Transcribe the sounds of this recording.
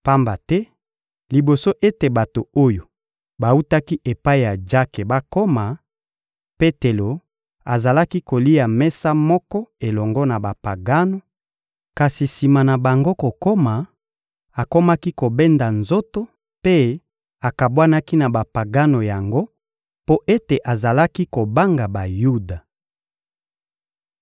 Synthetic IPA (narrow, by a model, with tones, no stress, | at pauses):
pa˦mba˨tɛ˦ | li˨bo˨so˦ʔe˦te˨ba˨to˨o˦jo˨ | ba˨u˦ta˦ki˦ʔe˨pa˦i˨ja˨d͡ʒa˦ke˨ba˦ko˦ma˨ | pe˦te˨lo˨ | a˨za˨la˦ki˦ko˨li˦a˨mɛ˦sa˦mɔ˦kɔ˦e˨lɔ˨ŋɡɔ˦na˨ba˨pa˨ɡa˦no˨ | ka˨si˨si˨ma˨na˨ba˨ŋɡo˦ko˨ko˦ma˨ | a˨ko˦ma˦ki˦ko˨be˦nda˨nzo˦to˦ | pe˦ | a˨ka˨bwa˦na˦ki˦na˨ba˨pa˨ɡa˦no˨ja˨ŋɡo˦ | po˦ʔe˦te˨ʔa˨za˨la˦ki˦ko˨ba˦ŋɡa˨ba˨ju˦da˨